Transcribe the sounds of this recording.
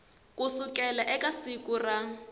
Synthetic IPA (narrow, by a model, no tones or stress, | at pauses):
kusʊkʼɛlaʔɛkʼasikʼura